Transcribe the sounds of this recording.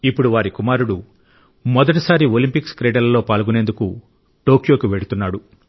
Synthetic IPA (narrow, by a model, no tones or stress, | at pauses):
ipːuɽuʋaːɾikumaːɾuɽu | mɔd̪ɐʈɐsaːɾiolimpikskɾeːɖɐlɐlo̞ːpaːlɡune̞ːnd̪uku | ʈo̞ːkjo̞ːkiʋeɽut̪unːaːɽu